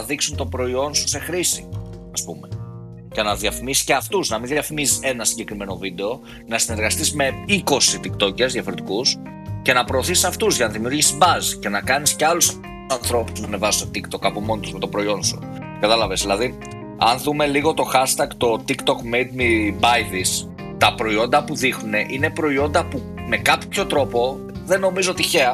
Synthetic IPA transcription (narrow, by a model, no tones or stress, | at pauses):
ðiksunt̪o̞pɾo̞io̞nsu̥se̞xɾisi | ɐspume | cenɐðiɐfimisi̥ceɐft̪uznɐminðjɐfimisi̥se̞nɐsiɲɟe̞kɾime̞no̞vid̪e̞o̞ | nɐsine̞ɾɣɐst̪izme̞iko̞sit̪ikt̪o̞cezðjɐfo̞ɾit̪ikus | ce̞nɐpɾo̞ːθisɐft̪uzʝɐnɐðimiuɾʝisibɐzce̞nɐkɐnisceɐlus | ɐnθɾo̞pu̥zmɐnevɐsi̥sot̪ikt̪o̞kɐpomo̞nt̪uzmet̪o̞pɾo̞io̞nsu | kɐt̪ɐlɐve̞zðilɐði | ɐnðume̞liɣo̞t̪o̞xɐst̪ɐkt̪o̞t̪ikt̪o̞kmejd̪̚mibɐjðis | t̪ɐpɾo̞io̞nd̪ɐpuðixnune̞ʔine̞pɾo̞io̞nd̪ɐpu | me̞kɐpço̞t̪ɾo̞po̞ | ðe̞no̞mizoot̪içe̞ɐ